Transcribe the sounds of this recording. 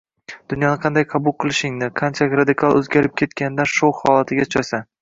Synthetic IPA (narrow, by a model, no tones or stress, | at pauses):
d̪̥ʊnjɒnɨqʰɑnd̪ajqʰɑbʊlˠqʰɨlˠɪʃɪŋnɪqʰɑnt͡ʃʰaɪkʲɾad̪ɪkʰalˠɵ̰zɡʲaɾɪp̚kʲʰe̞t̪kʲʰanɪd̪anʃowhɒlˠat̪ʰɪɡʲat͡ʃʰasa